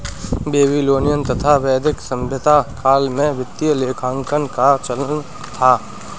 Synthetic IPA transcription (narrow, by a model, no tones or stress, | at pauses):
beːbiloːnijənt̪ɐt̪ʰaʋɛːd̪ʱɪksɐ̃mbʱət̪akʰaːlmẽʋɪt̪ːijəleːkʰãːŋkənkat͡ʃɐlən | t̪ʰaː